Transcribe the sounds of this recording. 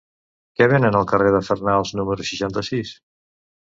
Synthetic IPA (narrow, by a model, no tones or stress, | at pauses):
kɛβenənəlˠkəreðəfərnalˠznuməɾusiʃant̪əsis